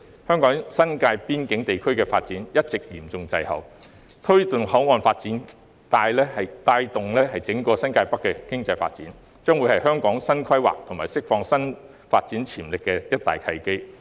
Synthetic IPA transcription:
hœː˥ŋkɔː˨˥ŋsɐ˥nkaː˧jpiː˥nkɪ˨˥ŋt̪e˨jkʰɵ˥ɥkɛː˧fa̰ː˧t̚t͡siː˨˥njɐ˥t̚t͡sɪ˨k̚jiː˨˩mt͡sʊ˨ŋt͡sɐ˧jhɐ̰˨w | t̪ʰɵ˥ɥt̪ə˨˩nhɐ˨˥wŋɔː˨nfaː˧t̚t͡siː˨˥n | t̪aː˧jlɛː˥hɐ˨jt̪aː˧jt̪ʊ˨ŋlɛː˥hɐ˨˩jt͡sɪ˨˥ŋkɔː˧sɐ˥nkaː˧jpɐ˥kːɛ˧kɪ˥ŋt͡sɐ˧jfa̰ː˧t̚t͡siː˨˥n | t͡ʃœː˥ŋwuː˨˧jhɐ˨jɦœː˥ŋkɔː˨˥ŋsɐ˥nkʰɐ˥jwa̰ː˨˩k̚t̪ʰʊ˨˩ŋmaː˨˩jsɪ˥k̚fɔː˧ŋsɐ˥n | faː˧t̚t͡siː˨˥nt͡sʰiː˨˩mlɪ˨kːɛ˧jɐ˥t̚t̪a̰ː˨˩jkʰɐ˧jke˥j

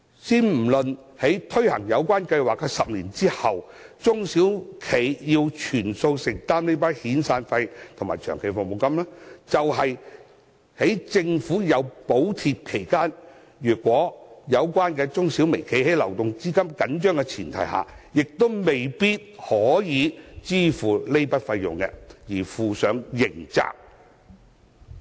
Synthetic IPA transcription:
siː˥nm̩˨˩lɵ˨n | he˨˥jt̪ʰɵ˥ɥhɐ̰˨˩ŋjɐ˨˧wkʷaː˥nkɐ˧jwaː˨˩k̚ːɛ˧sɐ˨p̚liː˨˩nt͡siː˥hɐ˨˩w | t͡sʊ˥ŋsiː˨˥wkʰe˨˧jjiː˧wt͡ʃʰyː˨˩nso˧wsɪ˨˩ŋ̚t̪aː˥mne˥jpaː˥nhiː˨˥nsaː˧nfɐ˧jt̪ʰʊ˨ŋmaː˨jt͡ʃʰœː˨ŋkʰe˨˩jfʊ˨ŋ̚mo˨˧wkɐ˥mlaː˥t͡sɐ˨wɦɐ˨j | he˨˥jt͡sɪ˧ŋfuː˨˥jɐ˨˧wpo˨˥wt̪ʰiː˧t̚kʰe˨˩jkaː˥n | jyː˨˩kʷwɔː˨˥jɐ˨˧wkʷwaː˥nkɛː˧t͡ʃʊ˥ŋsi˨˥wme˨˩jkʰe˨˥jhe˨˥jlɐ˨˩wt̪ʊ˨ŋt͡siː˥kɐ˥mkɐ˨˥nt͡ʃœː˥ŋkɛ˧t͡sʰiː˨˩nt̪ʰɐ˨˩jɦa̰ː˨jɪ˨k̚t̪o˥wme˨jpiː˥t̚hɔː˨˥jiː˨˧t͡siː˥fuː˨˩le˥jpɐ˥t̚fɐ˧jjʊ̰˨ŋkɛ̰˧jiː˨˩fuː˨sœː˨˥ŋjɪ˨˩ŋt͡sa̰ː˧˥k̚

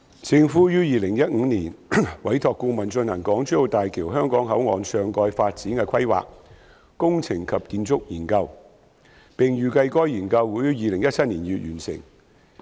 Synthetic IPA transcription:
t͡sɪ˧ŋfuː˨˥jyː˥jiː˨lɪ˨˩ŋjɐ˥t̚ʔŋ̩ː˨˧niː˨˩nwɐ˨˥jt̪ʰɔː˨kːuː˧mɐ˨nt͡ʃɵ˧nhɐ˨˩ŋkɔː˨˥ŋt͡ʃy˥o˨˧wt̪aː˨jkʰiː˨˩wɦœː˥ŋkɔː˨˥ŋɦɐ˨˥wŋɔː˨nsœː˧ŋkɔː˧jfaː˧t̚t͡siː˨˥nkɛː˧kʰɐ˥jwa̰ː˨k̚ | kʊ˥ŋt͡sʰɪ˨˩ŋkʰɐ˨p̚kiː˧nt͡sʊ˥k̚jiː˨˩nkɐ˧w | pɪ˨˩ŋjyː˨kɐ˧jkɔː˥jiː˨˩nkɐ˧wuː˨˥jɥyː˥jiː˨lɪ˨˩ŋjɐ˥t̚t͡sʰɐ˥t̚niː˨˩njyː˨t̚jyː˨˩nsɪ̰˨˩ŋ

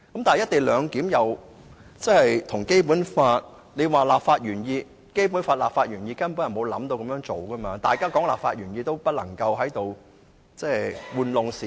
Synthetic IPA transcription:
kɐ˦mt̪aː˨nɐ˨jɐ˥t̪e˨jlœː˨˧ŋki˨˥mjɐ˨˧w | t͡sɐ˥hɐ˨jt̪ʰʊ˨˩ŋke˥jp̬uː˨˥nfaː˧t̚ | ne˨˧jwaː˨˩laː˨p̚faː˧t̚ɥyː˨˩njiː˧ | ke˥jp̬uː˨˥nfaː˧t̚laː˨p̚faː˧t̚jyː˨˩njiː˧kaː˥npuː˨˥ɐ˨˩nmo˨˧wlɐ̰˨˥mt̪o˧wkɐ˧˥mjœː˧˥ŋt͡so˨wkɐ˥maː˧t̪a̰ː˨jkaː˥kɔː˨˥ŋla̰ː˨p̚faː˧t̚ɥyː˨˩njiː˧t̪o˥wpɐ˥t̚lɐ̰˨˩ŋkɐ˧wɦɐ˨˥jt̪o˨w | t͡sɛː˥jwuː˨˧nlʊ˨ŋsiː˨

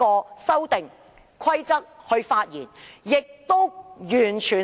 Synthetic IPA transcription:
ɔː˧sɐ˥wt̪ɪ˨ŋ | kʰɐ˥jt͡sɐ˥k̚hɵ˧ɥfaː˧t̚jḭː˨˩njɪ˨k̚t̪o˥wjyː˨˩nt͡ʃʰyː˨˩

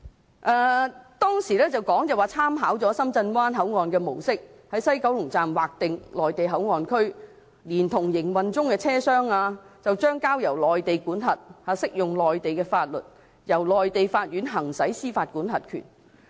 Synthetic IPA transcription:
ʔɛː˧t̪ɔː˥ŋsiː˨˩lɛː˥t͡sɐ˨wkɔː˨˥ŋt͡sɛ˨waː˨t͡sʰaː˥mɦaː˨˥wt͡sɔː˨˥sɐ˥mt͡sɐ˧nwaː˥nɦɐ˨˥wŋɔː˨nkɛː˧mo˨˩wsɪ˥k̚hɐ˨˥jsɐ˥jkɐ˨˥wlʊ˨˩ŋt͡saː˨mwaː˨k̚t̪ɪ˨ŋlɔː˨jt̪e˨jɦɐ˨˥wŋɔː˨nkʰɵ˥ɥ | liː˨˩nt̪ʰʊ˨˩ŋjɪ˨˩ŋwɐ˨nt͡sʊ˥ŋkɛː˧t͡sʰɛː˥sœː˥ŋaː˧t͡sɐ˨wt͡ʃœː˥ŋkaː˥wjɐ˨˩wlɔː˨jt̪e˨jkuː˨˥nɦɐ˨t̚haː˨˧sɪ˥k̚jʊ˨ŋlɔː˨jt̪e˨jkɛː˧faː˧t̚lɵ̰˨t̚ | jɐ˨˩wlɔː˨jt̪e˨jfaː˧t̚ɥyː˨˥nɦɐ˨˩ŋsɐ˨˥jsiː˥faː˧t̚kuː˨˥nɦɐ˨t̚kʰy̰ː˨˩n

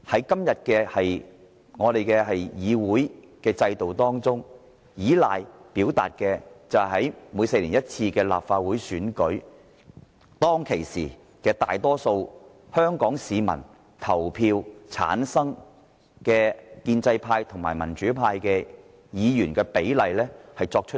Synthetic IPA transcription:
hɐ˨˥jkɐ˥mjɐ˨t̚kɛː˧hɐ˨j | ŋɔː˨˧ɾe˨jkɛː˧ɦɐ˨jjiː˨˧wuː˨˥j | kɛː˧t͡sɐ˧jt̪o˨wt̪ɔː˥ŋt͡sʊ˥ŋ | jiː˨˥la̰ː˨jpiː˨˥wt̪a̰ː˨t̚kɛː˧t͡sɐ˨whɐ˨˥jmuː˨˧jse˧jliː˨˩njɐ˥t̚t͡sʰiː˧kɛː˧la̰ː˨p̚faː˧t̚wu˨˥jsyː˨˥nkɵ˨˥ | t̪ɔː˥ŋkʰe˨˩jsḭː˨˩ | kɛː˧t̪aː˨jt̪ɔː˥so˧w | hœː˥ŋkɔː˨˥ŋsiː˨˧mɐ̰˨˩n | t̪ʰɐ˨˩wpʰiː˧wt͡sʰa̰ː˨˥nsɐ˥ŋ | kɛː˧kiː˧nt͡sɐ˧jpʰaː˧jt̪ʰʊ˨˩ŋmaː˨˩jmɐ˨˩nt͡ʃyː˨˥pʰaː˧jkɛː˧ | jiː˨˧jyː˨˩nkɛː˧pe˨˥jlɐ˨jlɛː˥hɐ˨jt͡sɔː˧k̚t͡ʃʰɵ˥

